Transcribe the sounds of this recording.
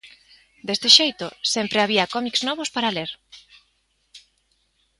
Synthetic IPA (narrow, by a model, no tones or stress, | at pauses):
d̪est̪eʃejt̪ʊsempɾeaβ̞iɐkɔmikznɔβʊspaɾaleɾ